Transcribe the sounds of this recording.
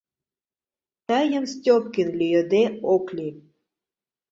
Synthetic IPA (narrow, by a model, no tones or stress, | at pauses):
t̪ɑjə̆mstʲop̚kinlyjə̆d̪eokli